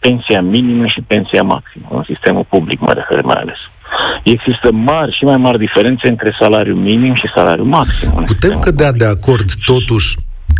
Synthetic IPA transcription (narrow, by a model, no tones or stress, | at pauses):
pe̞nsiaminiməʃipe̞nsiama̰ksimə̰ɨ̰nsist̪e̞mulpublikma̰jɾesḛɾema̰ja̰le̞s | e̞ɡzist̪əmarʲʃimajmarʲd̪ife̞ɾe̞nt̪se̞ɨnt̪ɾe̞salaɾjuminimʃisala̰ɾjṵmaksḭmɨ̰put̪e̞mkəd̪ead̪e̞ako̞rd̪ːo̞t̪uʃʲ